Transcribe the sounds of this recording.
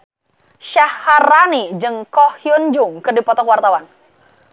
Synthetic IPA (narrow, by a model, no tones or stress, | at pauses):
ʃahːaranid͡ʒəŋkɔhjund͡ʒʊŋkɨrdipɔt̪ɔkwart̪awan